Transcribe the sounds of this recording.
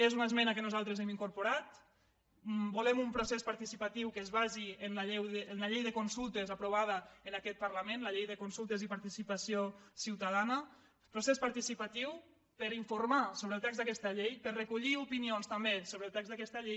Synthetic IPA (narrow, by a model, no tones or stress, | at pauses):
ezunəzmɛnəkənuzalˠt̪ɾəzɛmiŋkuɾpuɾat̪ | bulɛmumpɾusɛspaɾt̪isipat̪iwkəzβaziənlaʎɛwðəənləʎejðəkunsulˠt̪əzapɾuβ̞að̞əənakɛt̪̚pəɾləmẽnləʎejðəkunsulˠt̪əzipaɾt̪isipasiosiwt̪að̞anə | pɾusɛspaɾt̪isipat̪iw | pəɾiɱfuɾmasoβɾəːlˠt̪ɛkzðəkɛst̪əʎejpəɾrekuʎiupinionst̪ambesoβɾəlˠt̪ɛkzðakɛst̪aʎej